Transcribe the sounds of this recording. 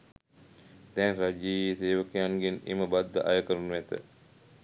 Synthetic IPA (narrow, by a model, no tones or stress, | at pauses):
d̪ɛnɾad͡ʒiːseːʋəkəjaŋɡenḛməbad̪ːə̰ʔajəkəɾunuʋæt̪ə̰